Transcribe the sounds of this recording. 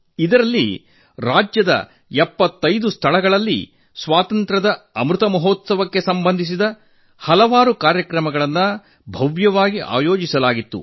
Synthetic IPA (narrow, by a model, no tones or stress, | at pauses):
id̪ɐɾɐlːḭ | ɾaːd͡ʒjɐd̪ɐ̰ | ɛpːɐt̪ːɐjd̪ust̪ʰɐɭɐɡɐɭɐlːḭ | sʋaːt̪ɐnt̪ɾɐd̪ɐɐmɾut̪ɐmɐɦoːt̪sɐʋɐkːe̞sɐmbɐnd̪ʱis̬id̪ɐ | hɐlɐʋaːɾukaːɾjɐkɾɐmɐɡɐɭɐnːɐ | bʱɐʋjɐʋaːɡiʔa̰ːjoːd͡ʒisɐlaːɡit̪ːṵ